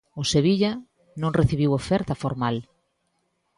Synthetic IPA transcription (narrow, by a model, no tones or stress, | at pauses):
ʊseβiʎɐ | nõŋreθiβ̞iwofɛɾt̪ɐfoɾmal